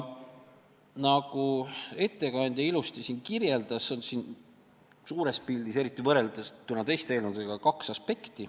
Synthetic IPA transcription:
nɑɡ̥ue̞t̪ːe̞kɑnʲd̪̥ʲjɑilust̪isiːnkirje̞ld̪̥ɑsːonsin | suːɾe̞spild̪ise̞ɾit̪ːˑivɤre̞ld̪̥est̪ːunːɑt̪e̞jst̪eeːlmud̪eɡ̥ɑkɑksɑspe̞kt̪i

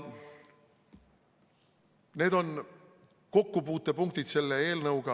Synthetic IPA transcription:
ne̞ːd̪o̞n | ko̞kːupuːt̪ːˑe̞puŋk̚t̪it̪se̞lːee̞ːlnɤuɡ̥ɑ

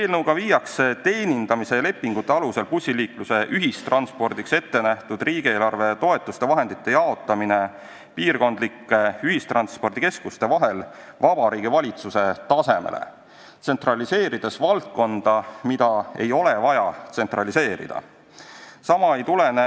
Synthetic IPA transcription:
eːlnəwɡɑviːjɑkset̪e̞ːnʲind̪̥ɑmise̞le̞pːiŋɡ̥ut̪ˑːeɑluse̞lpusʲːiliːkluse̞ʔyɦist̪rɑnspo̞rd̪̥ikse̞t̪ːe̞næht̪ud̪̥riːɡ̥ieːlɑrve̞t̪o̞e̞t̪ːˑust̪e̞vɑɦend̪it̪ːe̞jɑo̞t̪ːˑɑmine̞ | piːrɡo̞nd̪̥likːˑe̞yɦist̪rɑnspo̞rd̪̥ike̞skust̪e̞vɑɦe̞lvɑb̥ɑɾiːɡ̥ivɑlʲit̪suse̞t̪ɑse̞mḛlḛ | t̪se̞nt̪rɑlise̞ːɾid̪̥e̞svɑlt̪̚ko̞nd̪̥ɑmid̪̥ɑe̞̰jo̞le̞vɑjɑt̪se̞nt̪rɑlise̞ːɾḭd̪̥ɑ̰ | sɑmɑe̞jt̪ulene

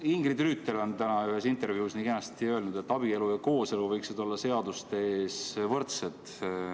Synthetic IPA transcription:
iŋɡrid̪ryːt̪ːˑelo̞nt̪ænɑyhe̞sint̪e̞ɾvjiusnikenɑst̪iø̞elnud̪̥e̞t̪ːˑɑb̥ie̞lujɑko̞ːse̞luvɤjksid̪o̞lːɑse̞ɑd̪ust̪eeːsvɤrt̪set̪

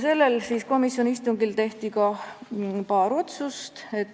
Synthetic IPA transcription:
se̞lːe̞lsiːsko̞misjo̞nist̪uŋɡilt̪e̞ht̪ikɑ | pɑːɾo̞t̪sust̪e̞t̪ː

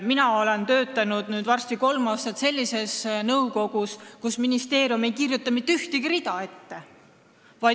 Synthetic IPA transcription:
minɑo̞lent̪ø̞ːt̪ˑːɑnud̪̥nyːd̪vɑrst̪iko̞lmɑːst̪ɑt̪se̞lʲːise̞snɤwko̞ɡuskusminist̪e̞ːɾjume̞jkirjut̪ːˑɑmit̪ːeyht̪iɡ̥iɾid̪ɑe̞t̪ːe̞ | vɑj

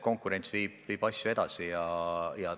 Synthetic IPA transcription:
ko̞ŋkˑuɾe̞nt̪sviːb̥viːb̥ɑsʲjue̞d̪̥ɑ̰sijɑjɑ

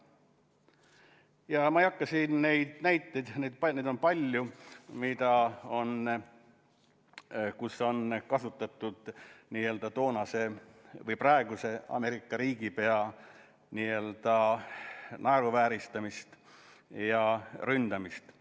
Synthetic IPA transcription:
jɑmɑejɑkːˑɑsinne̞jd̪̥næjt̪ːˑejd̪̥ne̞jd̪̥̚pɑned̪o̞npɑlʲjumid̪̥ɑo̞n | kuso̞nkɑsut̪ːˑɑt̪ːˑud̪̥niːe̞ld̪̥ɑt̪o̞ːnɑse̞vɤjprɑeɡuse̞ɑ̰me̞ɾikːˑɑɾiːɡ̥ipe̞ɑ | niːe̞ld̪̥ɑ | nʔɑeɾuvæːɾist̪ɑmist̪ | jɑrynd̪̥ɑmist̪

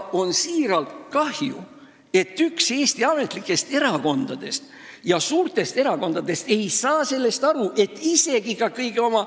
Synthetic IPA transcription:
o̞nsiːɾɑlt̪kɑhjṵ | e̞t̪ːykse̞ːst̪iɑme̞t̪ˑlikːˑe̞st̪e̞ɾɑko̞nd̪̥ɑd̪̥e̞st̪ | jɑsuːrt̪e̞st̪e̞ɾɑko̞nd̪̥ɑd̪̥e̞st̪e̞jsɑːse̞lːe̞st̪ɑɾuʔe̞t̪ːˑise̞ɡ̥ikɑkɤjɡeo̞mɑ

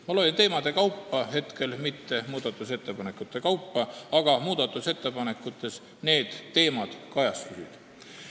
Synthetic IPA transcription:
mɑlojʲnt̪e̞ːmɑd̪̥e̞kɑwpːɑɦe̞t̪ke̞lmit̪ːe̞muːd̪̥ɑt̪ːˑuse̞t̪ːepɑne̞kːˑut̪ːˑe̞kɑwpːˑɑɑɡ̥ɑmuːd̪̥ɑt̪ːˑuse̞t̪ːˑe̞pɑne̞kːˑut̪ːˑe̞s | ne̞ːd̪̥ːe̞ːmɑd̪̥kɑjɑst̪usḭd̪̥

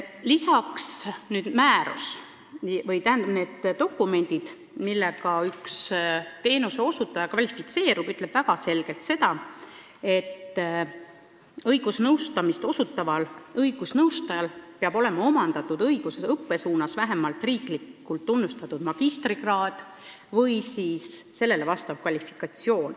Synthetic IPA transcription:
lisɑksnyːd̪̥mæːɾṵs | vɤjt̪æɦænd̪ɑbne̞ːd̪̥ːo̞kːˑume̞nʲd̪̥id̪̥ | milːeɡɑykst̪e̞ːnuseo̞sut̪ːˑɑjɑkvɑlʲifit̪se̞ːɾubyt̪ˑle̞b̥væɡ̥ɑse̞lɡ̥e̞lt̪se̞t̪ɑ | e̞t̪ː | ɤjɡ̥usnɤwst̪ɑmist̪o̞sut̪ːˑɑvɑlɤjɡ̥usnɤwst̪ɑjɑlpeɑbo̞le̞mɑo̞mɑnd̪̥ɑt̪ːˑud̪ɤjɡ̥use̞sɤpːe̞suːnɑsvæɦemɑlt̪ːˑriːklikːˑult̪ːunːust̪ɑt̪ːˑud̪mɑɡ̥ist̪riɡ̥rɑːd̪̥ | vɤjsiːsːe̞lːe̞le̞vɑst̪ɑv̥kvɑlʲifi̥kˑɑt̪sio̞ːn

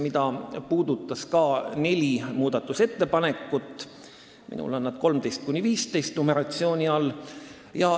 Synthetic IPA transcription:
mid̪ɑpuːd̪̥ut̪ːˑɑskɑːne̞lʲimuːd̪̥ɑt̪ːˑuse̞t̪ːe̞pɑne̞kːˑut̪ːˑ | mḭnṵlonːɑd̪̥ko̞lmt̪e̞jst̪̚kunʲːiviːst̪e̞jst̪nome̞ɾɑt̪sio̞ːnʲiɑlː | jɑ

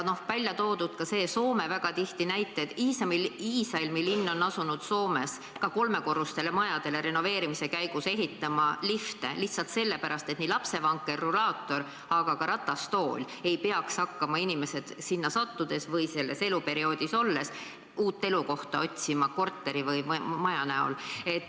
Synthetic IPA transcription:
no̞hvælʲjɑt̪o̞ːd̪ud̪̥kɑse̞ːso̞ːme̞væɡ̥ɑt̪iht̪inæjt̪ːˑet̪iːsɑmiiːsɑilmilinːo̞nːɑsunud̪̥so̞ːme̞s | kɑko̞lme̞ko̞rust̪e̞le̞mɑjɑd̪̥e̞le̞ɾe̞no̞ve̞ːɾimise̞kæjɡ̥use̞ɦit̪ːˑɑmɑlift̪e̞̰liht̪sɑlt̪se̞lːe̞pæɾɑst̪et̪nilɑpse̞vɑŋkːˑe̞rːulɑːt̪ːˑo̞ɾ | ɑɡ̥ɑkɑɾɑt̪ːˑɑst̪o̞ːlʲ | e̞jpe̞ɑkshɑkːɑmɑinimese̞d̪̥sinːɑsɑt̪ːud̪̥e̞svɤjse̞lːe̞se̞lupe̞ɾio̞ːd̪̥iso̞lːe̞s | uːt̪ːe̞luko̞ht̪ɑo̞t̪ʲsimɑko̞rt̪ːˑe̞ɾivɯjmɑjɑnæo̞̰le̞t̪ː

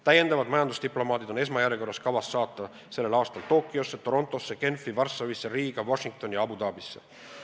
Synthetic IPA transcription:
t̪æjːe̞nd̪ɑvɑd̪mɑjɑnd̪ust̪iplo̞mɑːd̪id̪o̞ne̞s̬mɑjæɾeko̞rːɑskɑvɑsːɑːt̪ːˑɑ | se̞lːe̞lɑːst̪ɑlt̪o̞ːkːˑio̞sːet̪o̞ɾo̞nt̪ˑo̞sːeke̞nfivɑrsːɑvisːeɾiːɡ̥ɑvoʃiŋk̚t̪o̞njɑɑbud̪ɑːbisːe̞̥̰

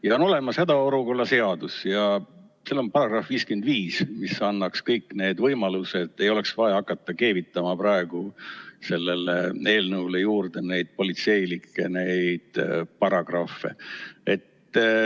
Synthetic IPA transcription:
jɑo̞no̞le̞mɑshæd̪ɑo̞ɾuko̞lːɑse̞ɑd̪usjɑ | selːo̞npɑɾɑɡ̥rɑfviːskymend̪viːsmisɑnːɑkskɤjkːˑne̞ːd̪vɤjmɑlused̪e̞jo̞le̞ksvɑjɑkːˑɑt̪ˑːɑke̞ːvit̪ːˑɑmɑpɾɑe̞ɡ̥use̞lːe̞lee̞ːlnɤulejuːrd̪e̞ne̞jd̪̥̚po̞lit̪se̞jlikːˑenejd̪̥pɑɾɑɡ̥rɑfːe̞̰e̞t̪ː

